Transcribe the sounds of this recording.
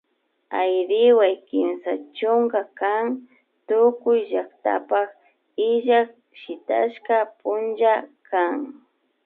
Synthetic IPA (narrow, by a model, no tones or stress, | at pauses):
ajɾɪwajkɪmsat͡ʃʊŋɡakaŋ | t̪ʊkʊjʒakt̪a̰pak | ɪʒak | ʃɪt̪a̰ʃkapʊnd͡ʒakʰaŋ